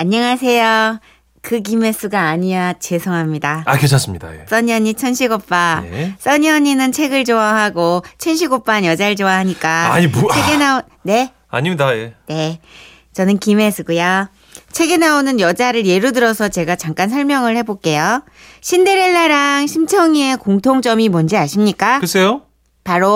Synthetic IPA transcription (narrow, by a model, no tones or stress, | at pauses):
aɲːʌŋasʰe̞jo | kɯk̬ime̞s͈ɯɡaːɲiat͡ɕe̞sʰoŋɦamɲidaaket͡ɕʰʌs͈ɯmɲida̰jḛs͈ʌɲʌɲit͡ɕʰʌnɕʰiɡop͈a̰s͈ʌɲʌɲinɯnt͡ɕʰe̞ɡɯɭt͡ɕoaɦaɡot͡ɕʰʌnɕʰiɡop͈anjʌd͡ʑaɾɯɭt͡ɕoahaɲik͈aa̰ɲit͡ɕʰeɡenao | ne̞ | a̰ɲimɲidajene̞ | t͡ɕʌnɯnkime̞sʰɯɡuja | t͡ɕʰe̞ɡe̞naonɯnjʌd͡ʑaɾɯɾje̞ɾudɯɾʌsʰʌt͡ɕe̞ɡat͡ɕaŋk͈ans̬ʰʌɭmjʌŋɯɭhe̞bok͈e̞jo | ɕʰindeɾeɭːaɾaŋɕʰimt͡ɕʰʌŋiekoŋtʰoŋd͡ʑʌmimʌnd͡ʑiaɕʰimɲik͈akɯs͈ʰejo | paɾo